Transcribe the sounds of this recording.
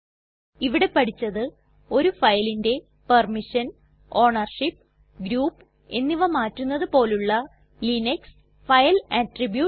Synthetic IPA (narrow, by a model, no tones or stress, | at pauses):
iʋiɽe̞pɐʈʰit͡ɕːɐðɨ | o̞ɾufɐjlinde̞ | pɐrmiʂɐn | o̞ːɳɐrʂipː | ɡɾuːpː | e̞nːiʋɐmaːtːunːɐðɨpo̞ːluɭːɐ | linɐks | fɐjlɐtribju